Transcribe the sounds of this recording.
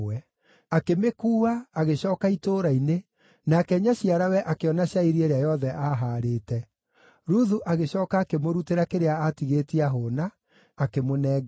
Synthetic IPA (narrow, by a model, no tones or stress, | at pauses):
wɛ | akemekuːaːɣeɕɔːkaitoːɾaine | naːkɛɲaɕiaɾawɛʔakeɔnaɕjaiɾieɾeajɔðɛʔaːɦaːɾeːtɛ | ɾuðuʔaɣeɕɔːkaːkemoɾuteɾakeɾeaatiɣeːtiaɦoːnaː | kemonɛːɡ